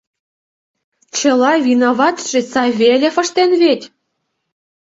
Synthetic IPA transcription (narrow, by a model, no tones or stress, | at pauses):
t͡ɕɤ̆lɑvʲinoβɑt̪ʒ̥ĕt͡sɑβʲelʲefə̆ʃt̪enβʲet̪ʲ